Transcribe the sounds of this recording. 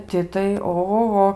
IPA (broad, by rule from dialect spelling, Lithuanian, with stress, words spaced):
ˈtʲɪ tɐɪ oːɣoːˈɣoː